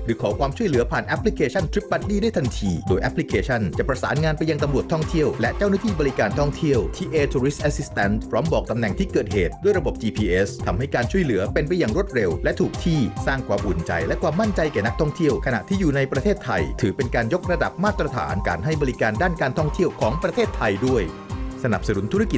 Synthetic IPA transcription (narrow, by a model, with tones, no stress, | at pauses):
ɾɯː˨˩˦kʰɔː˨˩˦kʰwaː˧mt͡ɕʰu˥˩jlɯː˨˩˦ɐpʰaː˨˩nʔɛ˦˥pʰli˦˥kʰeː˧t͡ɕʰa˥˩nt̪ʰɾi˦˥p̚ba˦˥t̪̚diː˥˩daː˥˩jt̪ʰa˧nt̪ʰiː˧doː˧jʔɛ˦˥pʰːli˦˥kʰeː˧t͡ɕʰa˥˩nt͡ɕa˨˩pɾa˧sa̰ː˩˦nŋaː˧npa˧jːa˧ŋt̪a˧mɾu˨˩ət̪ʰːɔ˥˩ŋt̪ʰi˥˩əwlɛ˦˥t͡ɕa˥˩wnaː˥˩t̪ʰiː˥˩bɔ˧ɾi˦˥kaː˧nt̪ʰɔ˥˩ŋt̪ʰi˥˩əwt̪ʰiː˧ʔeː˧t̪ʰuː˧ɾi˦st̪̚ʔɛ˧˥si˦˥st̪ɛ˦˥npʰɾɔː˦˥mbɔː˨˩k̚t̪a˧mnɛ˨˩ŋt̪ʰiː˥˩kɤː˨˩t̪̚heː˨˩t̪̚duː˥˩jɾa˧bo˨˩p̚t͡ɕiː˧pʰiː˧ʔe˦˥st̪ʰa˧mha˥˩jkaː˧nt͡ɕʰu˥˩əjlɯ˩˦ɐpe˧npa˧jːaː˨˩ŋɾu˥˩t̪̚ɾe˧wlɛ˦˥t̪ʰuː˨˩k̚t̪ʰiː˥˩saː˥˩ŋkʰwaː˧mʔu˨˩ənt͡ɕa̰˧jlɛ˦˥ʔkʰwaː˧mːa˥˩nt͡ɕa˧jkɛː˨˩na˦˥k̚t̪ʰɔ˥˩ŋt̪ʰi˥˩əwkʰa˧na̰˨˩ʔt̪ʰiː˥˩juː˨˩na˧jpɾa˧t̪ʰeː˥˩t̪ʰːa˧jt̪ʰɯː˨˩˦pe˧nkaː˧njo˦˥k̚ɾa˧da˨˩p̚maː˥˩t̪ːɾa˧t̪ʰa̰ː˩˦nka̰ː˧nɦa˥˩jbɔː˧ɾi˦kaː˧ndaː˥˩nkaː˧nt̪ʰɔ˥˩ŋt̪ʰi˥˩əwkʰɔː˩˦ŋpɾa˧t̪ʰeː˥˩t̪ʰːa˧jdu˥˩əj | sa˧na˨˩p̚sa˧nu˨˩˦nt̪ʰu˦˥ɾa˦˥ki˨˩